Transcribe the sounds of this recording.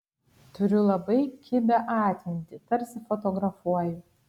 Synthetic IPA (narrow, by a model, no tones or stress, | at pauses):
t̪ʊɾʲʊlˠɐbɐɪkʲɪbʲɛʔɑːt̪ʲnʲt̪ʲɪt̪ɐɾʲsʲɪfot̪oɡɾɐfuɔjɛ